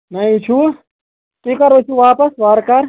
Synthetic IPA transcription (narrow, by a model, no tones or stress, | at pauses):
nɐit͡ʃʰu | tikɐɾot͡ʃʰuʋapɐsʋaɾkɐɾ